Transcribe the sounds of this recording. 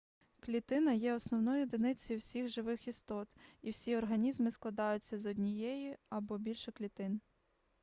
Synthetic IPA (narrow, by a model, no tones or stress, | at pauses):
klʲit̪ɪnɐjɛɔsnɔwnɔjʊd̪ɪnɪt͡sʲɔjʊwsʲixʒɪʋɪxist̪ɔt̪iwsʲiɔrɦɐnʲizmɪsklˠɐd̪ɑjʊt͡sʲːɐzɔdʲnʲijɛjiɐbɔbʲilʲʃɛklʲit̪ɪn